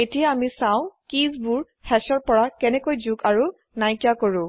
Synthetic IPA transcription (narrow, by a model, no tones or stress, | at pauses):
etijaamisãʊ̃kizbuɹ | hɛsɔɹpɔɹakɛnɛkojzukaɹu | najkjakoɹʊ̃